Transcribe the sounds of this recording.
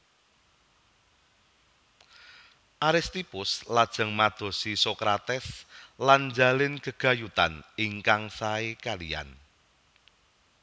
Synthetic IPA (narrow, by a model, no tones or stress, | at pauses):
ʔaɾɪst̪ipʊslad̥ʒ̥ə̤ŋmad̪̥o̤sisokɾat̪ɛsland͡ʒa̤lɪnkəɡ̥a̤jut̪a̰niŋkaŋsaekalija̰n